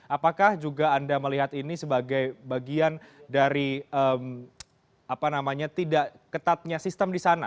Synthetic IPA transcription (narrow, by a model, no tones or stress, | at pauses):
ʔapakahd͡ʒuɡaːndaməliɦat̪inisəbaɡajbaɡiandaɾiəm | apanamaɲat̪idaʔkət̪at̪̚ɲasist̪əmdisana̰